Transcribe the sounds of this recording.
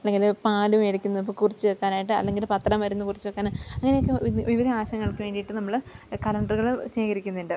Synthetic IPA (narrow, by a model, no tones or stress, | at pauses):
ɐlːe̞ŋɡilpaːlumeɽikʲːunːɐðip̬ːoːkurit͡ɕːɨʋɐkːaːnaːjiʈːɨɐ̰lːe̞ŋɡilpɐt̪ːrɐmʋɐɾunːukurit͡ɕːɨʋekːaːnɐŋːɐnejokːɨʋiʋid̪ʱɐaːɕɐŋːɐɭkɨʋe̞ːɳɖijiʈːɨnɐmːɐɭkɐlɐɳɖɐrɣɐɭɕeːkɐɾikʲːunːɐindɨ